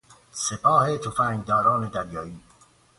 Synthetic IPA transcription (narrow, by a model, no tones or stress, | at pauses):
sepʰɒːhet̪ʰofæːŋɡd̪ɒːɾɒːned̪æɾjɒːiː